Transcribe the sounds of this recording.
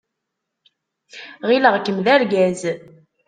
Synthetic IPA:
ʁiləʁkːəmðæɾɡæz

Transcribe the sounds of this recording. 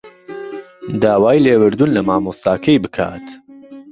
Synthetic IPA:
d̪aːwaːjleːwɨɾd̪unlɐmaːmost̪aːkʰɐjbɨkʰa̰ːt̪

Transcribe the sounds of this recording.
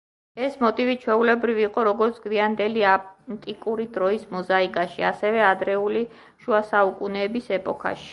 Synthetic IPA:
ɛsmɔt̪ʼivit͡ʃʰwɛulɛbɾiviːqʼɔɾɔɡɔɾt̪sʰɡiand̪ɛliant̪ʼikʼuɾid̪ɾɔismɔzaikʼaʃia̰sɛvɛad̪ɾɛuli | ʃuasaukʼunɛːbisɛpʼɔkʰa̰ʃi̥

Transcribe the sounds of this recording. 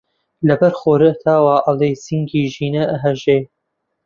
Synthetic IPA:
lɐbɐɾxoːɾɐt̪ʰaːwaːʔɐlejsiŋɡiːʒiːnɐʔɐɦɐʒeː

